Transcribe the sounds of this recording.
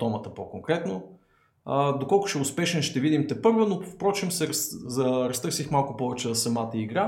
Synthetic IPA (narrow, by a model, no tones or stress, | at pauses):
t̪ɔmət̪əpokoŋkɾɛt̪no | əd̪okɔlˠkʊ̥ʃɛʊspɛʃɛnʃt̪ɛvid̪imt̪ɛpɤɾvonofpɾɔt͡ʃɛmsɛɾɐszɐɾɐst̪ɤɾsixmalˠkʊpɔvɛt͡ʃɛzsɐmat̪əiɡɾa